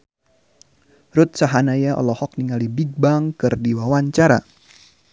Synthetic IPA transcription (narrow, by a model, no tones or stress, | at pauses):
ɾut̪̚saɦanajaʔɔ̰lɔhɔk̚niŋalibiɡ̚baŋkɨrdiwawaɲt͡ʃaɾa̰